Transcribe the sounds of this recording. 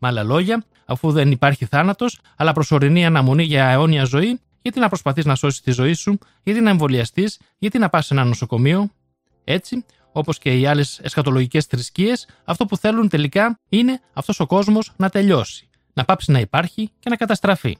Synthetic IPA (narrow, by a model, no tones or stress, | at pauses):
mɐlɐlo̞ʝɐ | ɐfuðe̞nipɐɾçiθɐnɐt̪o̞s | ɐlɐpɾo̞so̞ɾiniɐnɐmo̞niʝɐeo̞niɐzo̞i | ʝɐt̪inɐpɾo̞spɐθiznɐso̞si̥st̪izo̞isu | ʝɐt̪inɐeɱvo̞liɐst̪iz | ʝɐt̪inɐpɐse̞nɐno̞so̞ko̞mio̞ | e̞t͡si | o̞po̞sce̞iɐle̞se̞sxɐt̪o̞lo̞ʝice̞st̪ɾiscie̞s | ɐft̪opuθe̞lunt̪e̞likɐine̞ɐft̪o̞so̞ko̞zmo̞znɐt̪e̞ʎo̞si̥ | nɐpɐpsinɐipɐɾçice̞nɐkɐt̪ɐst̪ɾɐfḭ